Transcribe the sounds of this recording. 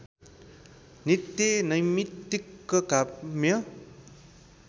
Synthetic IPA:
nit̪ːjʌnʌjmit̪ːikːʌkamjʌ

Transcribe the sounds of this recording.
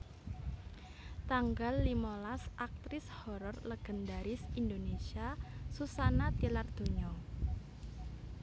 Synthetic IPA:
t̪aŋɡalːimɔlasʔak̚t̪ɾɪshɔɾɔrləɡ̥ə̤nd̪aɾɪsind̪onesiasusanat̪ilard̪̥o̤ɲɔ

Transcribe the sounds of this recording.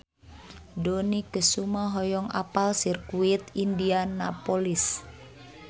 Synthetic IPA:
dɔnikəsumaɦɔjɔŋa̰palsirkuit̪indianapɔlis

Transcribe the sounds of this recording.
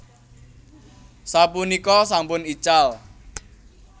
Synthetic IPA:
sapunikɔsampʊnit͡ʃal

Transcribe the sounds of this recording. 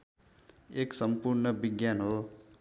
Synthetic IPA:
eksʌmpuɾnʌbiɡjanɦo

